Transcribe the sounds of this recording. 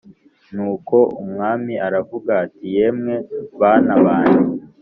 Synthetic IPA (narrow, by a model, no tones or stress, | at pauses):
nuːko̞umŋaːmiaɾavuɡaːtije̞mŋe̞βanaβaːni